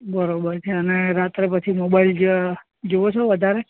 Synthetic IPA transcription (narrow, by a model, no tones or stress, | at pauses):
bəɾobəɾt͡ʃʰeəneɾat̪ɾepət͡ʃʰimobaild͡ʒ | d͡ʒoʋot͡ʃʰeʋəd̪ʱaɾe